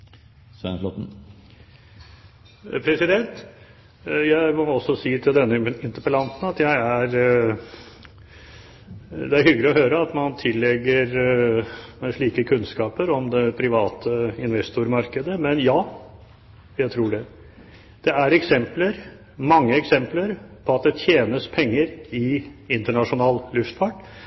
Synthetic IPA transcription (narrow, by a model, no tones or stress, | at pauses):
sɛ̰nlɔt̪n̩ | pʰɾɛsɪd̪ɛnt̪ | jæɪmɔɔsːɔsiːt̪ʰɪld̪ɛnːəɪnt̪əpəlɑnsn̩ɑt̪jæɪæɾ | d̪ɛæɾɦʏɡlɪɔɦøːɾəɑt̪mɑnt̪ʰɪlːɛɡːəɾ | mʂɭiːkəkʰʉnskɑːpəɾɔmd̪ɛpʰɾɪʋɑːt̪ʰəɪnʋɛst̪ʊɾmɑɾkəd̪əmɛnjɑː | jæɪt̪ʰɾuːɖɛ | d̪̥ɛæɾɛksɛmpləɾ | mɑŋːəɛksɛmpləɾpʰɔɑt̪̚d̪ɛt̪ʰjeːnəspʰɛŋːəɾɪɪnt̪əɳɑʂʊnɑːllʉft̪fɑʈ